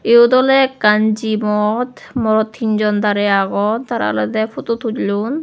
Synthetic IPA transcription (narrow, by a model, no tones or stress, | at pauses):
eod̪ɔlɛkand͡ʑimɔt̪mɔɾɔt̪ʰːind͡ʑɔnd̪aɾɛaɡɔt̪t̪aɾa̰lɔ̰d̪ɛfʰut̪ut̪ʰutlun